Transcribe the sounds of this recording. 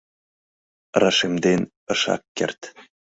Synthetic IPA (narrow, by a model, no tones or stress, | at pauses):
rɑʃemd̪en | ɤ̆ʃɑ̰kːḛrt̪